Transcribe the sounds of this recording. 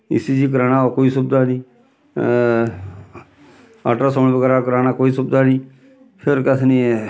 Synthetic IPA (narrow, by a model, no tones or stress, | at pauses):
ḭsid͡ʒiːk̬əɾaːñaokoːiːsʊbd̪aːnĩː | aːʈasombəɡəɾakəɾaːnakoːiːsʊbd̪aːniː | pʰeɾkət̪ʰni